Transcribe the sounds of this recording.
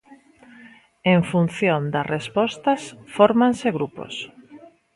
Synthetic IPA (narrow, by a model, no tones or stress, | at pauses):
eɱfun̟θjond̪ɐrʔespɔst̪ɐsfɔɾmanseɣɾupo̰s